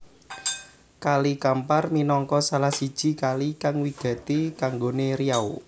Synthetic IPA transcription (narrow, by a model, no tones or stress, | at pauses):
kalikamparminɔŋkɔsalahsid̥ʒ̥i̤kalikaŋwiɡ̥ä̤t̪ikaŋɡoneɾijau